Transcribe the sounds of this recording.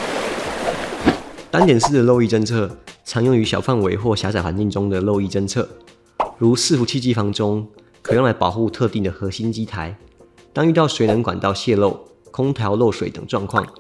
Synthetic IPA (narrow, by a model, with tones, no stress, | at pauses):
t̪a˥nt̪jɛ˨˩nsɹ̩˥˩d̪ə˩lo˥˧i˥˧ʈ͡ʂə˥˧ŋt͡sʰɤ˥˩t͡sʰɑ˧˥ŋjʊ˥˩ŋy˧˥ɕjɑ˨˩fa˥˩nwe˧˥ɪxwɔ˥˩ɕja˧˥t͡sa˨˩xwa̰˨˧˦nt͡ɕi˥˩ŋʈ͡ʂʊ˥ŋd̪ə˨lo˥˧ʊi˥˩ʈ͡ʂə˥ŋt͡sʰɤ˥˩ | ɻu˨˧˥sɹ̩˥˩fu˧˥t͡ɕʰi˥˧t͡ɕi˥˩fɑ˧˩ŋʈ͡ʂʊ˥ŋ | kʰɤ˨˩jŋla˧˥pɑ˨˩ʊxu˥˧t̪ʰɤ˥˧t̪i˥˩ŋd̪ə˩xɤ˧˥ɕi˦˥nt͡ɕi˥t̪ʰa˧˦ɪ | t̪ɑ˥˧ŋy˥˧t̪ɑ˥˩ʊʂwe˧˥ɪnə˧˦nkwa˨˩nt̪ɑ˥˧ʊɕjɛ˥˧lo˥˨ʊ | kʰʊ˥ŋt̪ʰjɑ˧˥ʊlo˥˩ʊʂwe˨˩ɪt̪ə̰˨˩ŋʈ͡ʂwɑ˥˧ŋkʰwɑ̰˥˩ŋ